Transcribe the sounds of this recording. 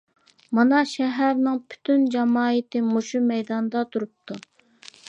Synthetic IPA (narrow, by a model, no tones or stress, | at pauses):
mɑnɑʃɛɦæɾnɪŋpʰy̥t̪ʰynd͡ʒɑmɑːit̪ɪmoʃumɛjd̪ɑnd̪ɑt̪ʰuɾup̚t̪ʰu